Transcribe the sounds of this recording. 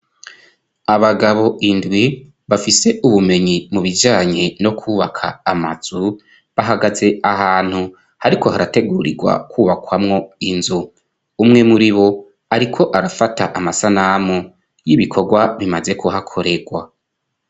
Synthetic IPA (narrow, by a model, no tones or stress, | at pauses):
aβaɡaβo̞ʔindwi | βafise̞ʔuβume̞ɲimuβid͡ʒaːɲe̞no̞kʰuːβakʰa̰ːmaz̥u | βaɦaɡaze̞aɦaːn̥hu | haɾikʰo̞ɦaɾate̞ɡuːɾḭɡwa̰kʰuːβakwamŋo̞inzu | umŋe̞muɾiβo̞ | aɾikʰo̞ʔaɾafataʔamasanamo | jiβikʰo̞ɡwaβimaze̞kuɦakʰo̞ɾe̞ɡwa